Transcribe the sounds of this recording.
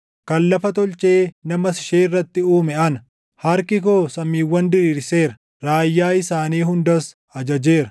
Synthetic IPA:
kɐlːɐfɐt̪ɔlt͡ʃʼeːnɐmɐsɪ̥ʃeːɪrːɐt̪ːɪuːmɛɐnɐ | hɐɾkɪkoːsɐmːiːwːɐnd̪ɪɾiːɾse̞ːɾɐ | ɾaːjːaːɪsaːniːɦʊnd̪ɐs | ɐd͡ʒɐd͡ʒeːɾɐ

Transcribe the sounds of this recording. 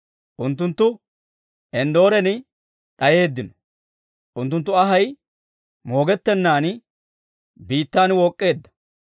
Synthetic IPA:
ʔʊnt̪ːʊnt̪ːʊ | ɛnd̪o̞ːɾɛnɪ | ᶑɐje̞ːd̪ːɪnɔ̥ | ʔʊnt̪ːʊnt̪ːʊɐɦɐj | mo̞ːɡɛt̪ːɛnːaːn | biːt̪ːaːnwɔːkʼːe̞ːd̪ːɐ̥

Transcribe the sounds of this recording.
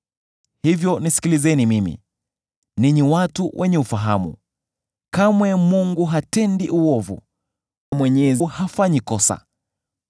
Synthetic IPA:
hivjɔnisi̥kilizɛnimimḭ | niɲiwatuwʔɛɲɛufaɦamṵ | kamwɛmuŋɡuɦatɛndiʔuɔvṵ | namwɛɲɛzhafaɲikɔsa̰

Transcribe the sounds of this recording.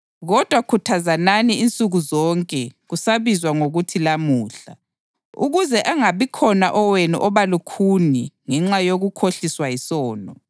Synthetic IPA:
ɣɔd̥ʱwakʰutʰazananiint͡sʼuɣuzɔŋkʼɛɣusaβizwaŋoɣutʰilamuːɬa̰ | ṵɣuzɛʔaŋaβikʰɔnaʔɔwenuʔɔβalukʰuniŋɛŋ͡ǁajoɣukʰoɬiswajisɔːnɔ

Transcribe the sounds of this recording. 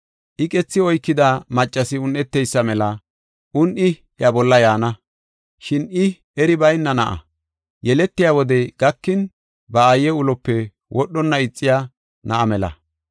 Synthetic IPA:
ʔɪkʼɛt͡sːɪɔjkːɪd̪amɐt͡ʃʼːɐsɪʊnːɛt̪ːɛjsːɐmɛlɐ | ʔʊnʔɪ | jɐbɔlːɐjaːnɐ | ʃɪnɪ | ɛɾɪbɐjnːɐnɐʔɐ̰ | jɛlɛt̪ːɪjaːwɔd̪ɛɡ̥ɐkːɪn | bɐːjːɛʊlɔpːɛ | wʔɔɗːɔnːɐɪt͡sʼːɪjaː | nɐʔɐmɛlɐ̰

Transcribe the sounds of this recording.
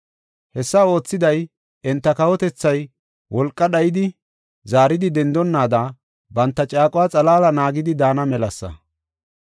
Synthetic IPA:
hɛsːɐo̞ːt͡sːɪd̪ɐj | ʔɛnt̪ːɐkɐwɔt̪ɛt͡sːɐj | wɔlkʼːɐɗɐjɪd̪ɪ | zaːɾɪd̪ɪd̪ɛnd̪ɔnːaːd̪aː | bɐnt̪ːɐt͡ʃʼaːkʼʊwaːt͡sʼɐlaːlɐnaːɡɪd̪ɪd̪aːnɐmɛlɐsːɐ̰

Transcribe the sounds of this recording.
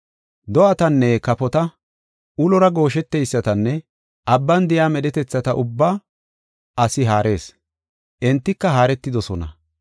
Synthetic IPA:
d̪ɔʔɐt̪ɐnːɛkɐpɔt̪ɐ | ʔʊlɔɾɐɡo̞ːʃɛt̪ːɛjsːɐt̪ɐnːɛ | ʔɐbːɐnd̪ɪjaːmɛɗɛt̪ɛt͡sːɐt̪ɐʔʊbːaː | ʔɐsɪɦaːɾʔe̞̰ːs | ʔɛnt̪ːɪkːɐɦaːɾɛt̪ːɪd̪ɔsɔnɐ̰

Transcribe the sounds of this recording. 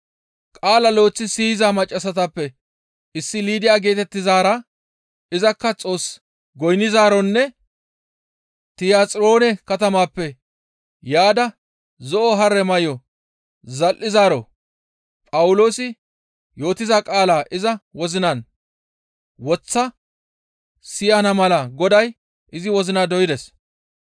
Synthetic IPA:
kʼaːlɐlo̞ːt͡sːɪsiːɪzaːmɐt͡ʃʼːɐsɐt̪ɐpːɛ | ʔɪsːɪliːd̪ɪjaːɡe̞ːt̪ɛt̪ːɪzaːɾɐ | ɪzɐkːɐt͡sʼo̞ːs | ɡɔjnɪzaːɾɔnːɛ | t̪ɪjaːt͡sʼɾo̞ːnɛkɐt̪ɐmaːpːɛ | jaːd̪ɐ | zɔʔɔɦɐɾːɛmɐjɔ | zɐlʔɪzaːɾɔ | pʼɐwʊlo̞ːsɪ | jo̞ːt̪ɪzakʼaːlaːʔɪzɐwɔzɪnɐn | wɔt͡sːɐ | sɪjɐnɐmɐlɐɡɔd̪ɐj | ɪzɪwɔzɪnad̪ɔjɪd̪ɛs

